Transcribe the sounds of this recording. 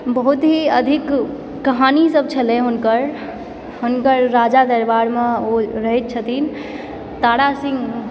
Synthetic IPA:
bəɦut̪ɦiəd̪ʱikː | əɦanisəb̚t͡ʃʰəlɛɦunkəɾ | hunkəɾːad͡ʒad̪əɾbaɾmeoɾəɦɛt̪̚t͡ʃʰət̪in | t̪aɽasĩŋɡ

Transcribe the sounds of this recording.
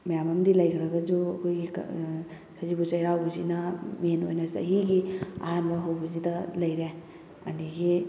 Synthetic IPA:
majamamdilɐjkʰiɾaɡad͡ʒuakʰojɡik | sʰazibut͡ʃajɾawbɐzinɐmieno̰jnasda̰ɦiɡia̰ɦanbaɦawbɐzidɐlɐjɾe | a̰niɡi

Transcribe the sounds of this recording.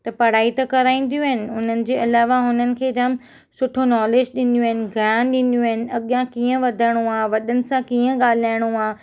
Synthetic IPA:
t̪ɐpɐɽ̤aːit̪ɐkɐɾaːĩːn̆d̪jũɦɪnɪ̆ʊn̤ənɪ̆d͡ʑeːɐlaːʋaɦʊn̤ənɪ̆kʰeːd͡ʑɐm | sʊʈʰonɔːleːd͡ʑɗɪnjũɦɪnɪ̆ɡʱɐɽãɗɪnjũɦɪnɪ̆ɐɠjãkiːə̃ʋɐd̪ʱəɽ̃uaːʋɐɗənɪ̆sãkiːə̃ɠaːl̤aːɪɽ̃uaː

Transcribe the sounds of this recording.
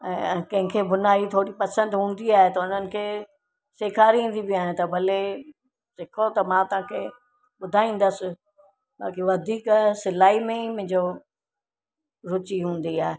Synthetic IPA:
ɛ̃ːkɐ̃ɦɪ̃kʰebʊnaːit̪ʰoːɽipɐsə̃nd̪ɦũːn̆d̪iaːɦet̪ɐʊn̤ənɪ̆kʰeː | seːkʰaːɾiɦũːn̆d̪ibiaːɦɪ̃t̪ɐbʱɐle | sɪkʰot̪ɐmãt̪ɐʋ̤ãkʰe | ɓʊd̪ʱaːĩːn̆d̪əsɪ̆ | ɓa̰ːkiʋɐd̪ʱiːksɪlaːimẽmʊ̃ɦɪ̃ɲd͡ʑo | ɾʊt͡ɕiɦũːn̆d̪iaːɦe

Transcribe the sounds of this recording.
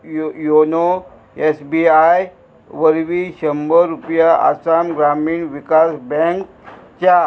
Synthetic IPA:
jono | esbiaj | ʋəɾʋiɕəmbəɾupjaʔa̰samɡɾamiːɳʋikasbɛ̃ŋk | t͡ɕa

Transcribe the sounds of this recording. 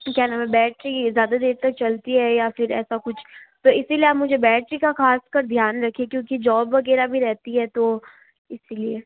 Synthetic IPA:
kjɛɦnamɛ̃bɛːʈɾizjaːd̪ad̪eːɾt̪ɐk̚t͡ʃɐlt̪iɦɛjafɪɾɛ̰ːsakʊt͡ʃʰt̪oːɪsilieaːpmʊd͡ʒʱebɛːʈɾikaxaːskɐɾd̪ʱjaːnɾɐkʰiekjõːkid͡ʒɔːbʋɐɡɛːɾabʱiɾɛɦt̪iɦɛt̪oː | ɪsilie

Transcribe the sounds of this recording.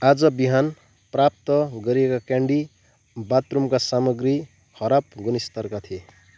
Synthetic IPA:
ad͡zʌbiɦan | prap̚t̪ʌɡʌɾijekakjaɳɖi | bat̪rumkasamʌɡri | hʰʌɾap̚ɡunist̪ʌrkat̪ʰie

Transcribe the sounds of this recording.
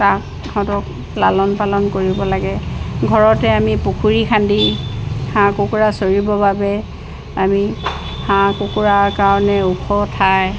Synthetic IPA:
takʰɔ̃tɔk | lalɔnpalɔnkoɹibɔlaɡɛɡʱɔɹɔtɛamipukʰuɹikʰandihãkukuɹasoɹibɔbabɛ | ami | hãkukuɹaɹkaɹɔnɛukʰɔtʰaj

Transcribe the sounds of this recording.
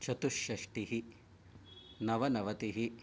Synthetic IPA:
t͡ʃɐt̪uʃjɐʂʈiɦi | nɐʋɐnɐʋɐt̪iɦi

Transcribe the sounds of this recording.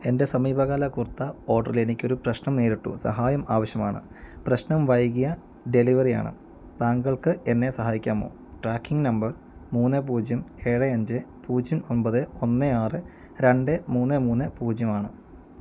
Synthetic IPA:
e̞nde̞sɐmiːbʱɐɣaːlɐkurt̪ːɐo̞ːɖɐ̰rilenikʲːo̞ɾuprɐɕnɐmneːɾiʈːṵsɐ̰ɦaːjɐmaːʋɐɕjɐmaːɳɨ̰ | prɐɕnɐmʋɐjɣijɐ | ɖe̞liʋɐrija̰ːɳɨ̰ | t̪aːŋɡɐɭkɨʔe̞nːe̞sɐɦaːjikʲːaːmo̰ː | ʈraːkːiŋɡnɐmbɐr | muːnːɨp̬uːd͡ʑjɐme̞ːɻɨɐɲd͡ʑɨpuːd͡ʑjɐmo̞nbɐðɨonːɨaːrɨ | ɾe̞ɳɖɨmuːnːɨmuːnːɨpuːd͡ʑjɐmaːɳɨ

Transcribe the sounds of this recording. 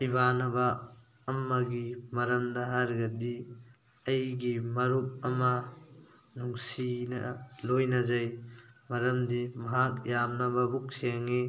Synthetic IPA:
ibanɐbɐː | mːɐɡimɐɾɐmdɐɦaɾɡɐdi | ɐjɡimɐɾup̚ɐmɐ | nuŋsinɐ̰lojnɐzɐjmɐɾɐmdimɐɦak̚jamnɐbɐbuk̚siaŋi

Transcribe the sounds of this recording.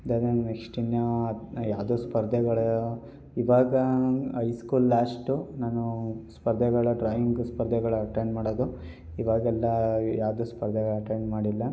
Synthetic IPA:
ɐd̪ad̪ennekʂʈinjɐjaːwd̪oːspɐɾd̪ʱɛɡɐɭɐ | iʋaːɡɐɦɐjskuːlːaːʂʈunaːnuspɐɾd̪ʱɛɡɐɭɐɖɾaːjiŋɡspɐɾd̪ʱɛɡɐɭuɐʈeɳɖmaːɽoːd̪u | iʋaːɡɐɛlːɐjaːʋwd̪oːspɐɾd̪ʱɛɡɐɭɐʈeɳɖmaːɽilːɐ

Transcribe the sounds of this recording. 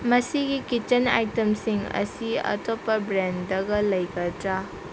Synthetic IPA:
mɐsiɡikit͡ʃɐna̰jtɐmsiŋɐ̰siɐ̰topːɐbɾendɐɡɐlɐjɡɐdɾa

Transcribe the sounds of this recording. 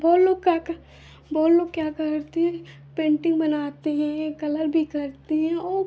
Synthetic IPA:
bɔːt̪loːɡkjak | bɔːt̪loːɡkjaːkɐɾt̪eɦɛ̃ | pẽːɳʈɪ̃ŋɡbɐnaːt̪eɦɛ̃ekɐləɾbʱikɐɾt̪eɦɛ̃ɔː

